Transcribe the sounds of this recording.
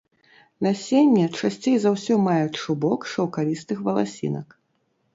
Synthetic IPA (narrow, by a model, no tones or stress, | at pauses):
nɐsʲenʲːɛt͡ʂasʲt͡sʲejzawsʲɔmajut͡sʲʂubɔkʂɐwkalʲist̪ɨxvɐlˠasʲḭnɐ̰k